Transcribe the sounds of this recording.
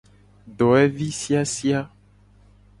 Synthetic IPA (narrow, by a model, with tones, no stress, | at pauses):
ɖɔ˨ɛ˦vi˦si˦a˦si˦a˦